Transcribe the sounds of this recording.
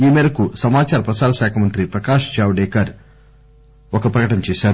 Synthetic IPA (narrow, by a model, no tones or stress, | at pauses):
iːmɛːɾɐkusɐmaːt͡ʃaːɾɐpɾɐsaːɾɐsaːkʰɐmɐnt̪ɾipɾɐkaːʂt͡ʃaːwɖeːkɐɾ | ɔkɐpɾɐkɐʈɐnɐt͡ʃɛːʃaːɾu